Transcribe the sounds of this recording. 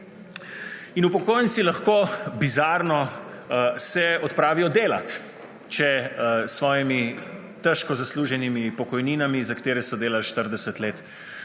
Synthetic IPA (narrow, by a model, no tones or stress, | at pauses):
inupɔkoːjnt̪silaxkoːbizaːɾnɔ | sɛɔt̪pɾaːʋiɔd̪eːla̰t̪ | t͡ʃɛsʋɔːjimi | t̪ɛʃkɔzasluʒɛnimipɔkɔjniːnamizakat̪eːɾɛsɔd̪eːlalʃt̪əɾd̪ɛsət̪leːt̪